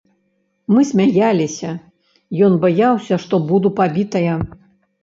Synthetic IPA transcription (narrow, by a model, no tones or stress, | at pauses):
mɨsʲmʲajalʲisʲɐ | jɔnbajawsʲɐʂt̪ɔbud̪upabʲit̪ɐjɐ